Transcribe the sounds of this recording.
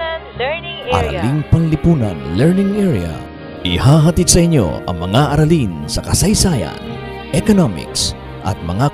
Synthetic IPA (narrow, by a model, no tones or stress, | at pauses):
ʔɐ̰ɾɐ̰liŋpɐŋlɪpuːnɐ̰nlɛɹnɪŋʔɛɹiɐ̰ | ʔɪhaːɦɐt̪id̪sɐʔɪɲːo̞̰ɐ̰ŋmɐŋaʔɐɾɐlinsɐkɐsɐjsaːjɐ̰n | ʔɛkonomɪ̰ks | ʔɐ̰t̪̚mɐŋa